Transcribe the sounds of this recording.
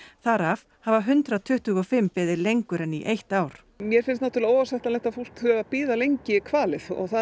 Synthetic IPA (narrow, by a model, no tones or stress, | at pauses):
θaɾav | havaɦʏnt̪ɾat̪ʰʏht̪ʏɣɔfɪmpɛːðɪɾlejŋkʏɾɛnːiʔejht̪aːwɾ̥ | mjɛɾ̥fɪnstnat̪ʏɾlɪoːwasɛht̪anlɛjht̪afur̥t̪θʏapiːðalejɲcɪkʰvaːlɪθɔ̰ɣθa